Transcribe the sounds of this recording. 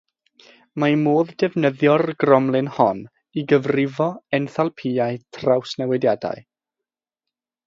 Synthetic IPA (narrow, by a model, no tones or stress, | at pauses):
mamoːðdɛvnəðjɔrɡrɔmlˠɪnhɔn | iɡəvrɪvɔɛnθalˠpʰiaɨtʰrawsnɛwɛdjada̰j